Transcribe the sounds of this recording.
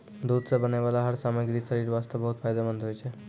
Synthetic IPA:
d̪ud̪sabənaʋalaɦəɾsaməɡɾisəɾiɾʋast̪əbəɦut̪fʰajd̪amənd̪ɦojt͡ʃʰe

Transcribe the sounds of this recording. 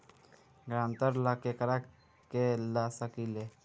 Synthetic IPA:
ɡɾaːmt̪əɾlakekəɾak | kelasəkile

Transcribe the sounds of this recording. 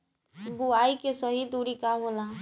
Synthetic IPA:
buaikesəɦid̪uɾikaɦola

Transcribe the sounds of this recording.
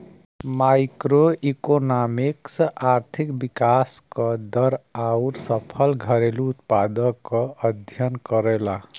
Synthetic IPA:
majkɾoikonamiksaɾt̪ʰikbikaskʌd̪ʌɾawɾsʌpʰʌlɡʱʌɾeluːt̪pad̪ʌkʌʌd̪ʱjʌnkʌɾela

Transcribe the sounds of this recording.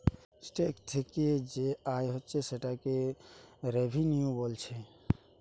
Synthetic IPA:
sʈekt̪ʰeked͡ʒeajɦɔtːt͡ʃʰeseʈake | ɾebʱinjubɔlt͡ʃʰɛ

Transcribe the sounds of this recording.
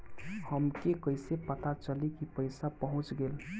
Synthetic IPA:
həmkekəjsepət̪at͡ʃəlikipəɪsapəɦʊ̃t͡ʃɡel

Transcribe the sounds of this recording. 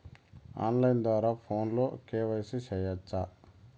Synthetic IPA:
a̰ːnlɐjnd̪ʋaːɾaːpʰoːnloːkeːʋɐjsiʃɛːjɐt͡ʃːa

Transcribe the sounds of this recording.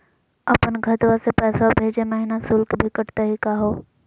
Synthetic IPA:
ɐpənɡʱət̪ʋasepɛːsabʱeːd͡ʒemeɦinasʊlkbʱɪkəʈt̪eɦikaɦoː

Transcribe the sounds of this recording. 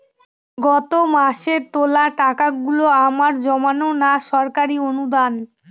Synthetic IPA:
ɡɔt̪omaʃeɾt̪olaʈakaɡuloamaɾd͡ʑɔmanonaʃɔɾkaɾionud̪an

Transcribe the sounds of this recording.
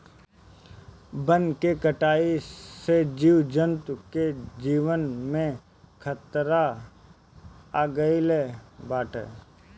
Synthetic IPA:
bə̃nkekəʈaːised͡ʒiːwd͡ʒə̃nt̪ked͡ʒiːʋənmẽ | kʰət̪ɾa | aːɡəilebaːʈʰḛ

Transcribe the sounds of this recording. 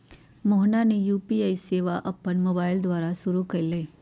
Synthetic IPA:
moːɦnanejuːpiaːiseːʋaʔɐpːənmoːbaːɪld̪waːɾaʃʊɾukɐleː

